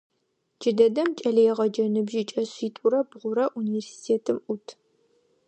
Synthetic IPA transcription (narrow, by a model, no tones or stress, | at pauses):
d͡ʒɪdɐdɐmt͡ʃʼɐɮijɛʁɐd͡ʒɐnɨbʒɪt͡ʃʼɐɕiːtʼʊɾɐbʁʷʊɾɐʔuniversi̥tʰeːtʰɨmʔʊtʰ